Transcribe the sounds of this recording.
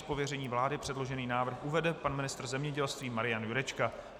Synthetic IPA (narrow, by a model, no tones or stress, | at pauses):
po̞vjɛrɛɲiːvlaːdɪpr̝̥ɛdlo̞ʒɛniːnaːvr̩xʔuvɛdɛpanmɪnɪst̪r̩zɛmɲɛɟɛlst̪viːmaɾɪjanjuɾɛt͡ʃka